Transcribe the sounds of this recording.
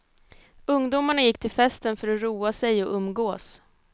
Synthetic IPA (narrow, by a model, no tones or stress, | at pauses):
ɵŋd̪uːmaɳajɪkːt̪ʰɪlfɛst̪ənfœɾɔɾuːasɛjɔʔɵmːɡoːs